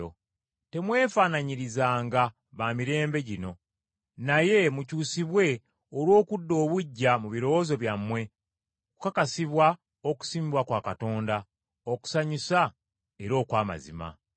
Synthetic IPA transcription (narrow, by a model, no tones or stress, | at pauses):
o | te̞mwe̞ːfaːnaɲiɾizaːŋɡa | βaːmiɾe̞ːmbe̞ɟino̞ | naje̞mucuːsiβwe̞ | olwo̞ːkudːo̞ːβuɟːamuβiɾo̞wozo̞βjamːwe̞ | oku̥kakasiβwa | oku̥siːmibwakwaːkato̞ːnda | oku̥saɲisa | eɾo̞ːkwaːma̰zḭma̰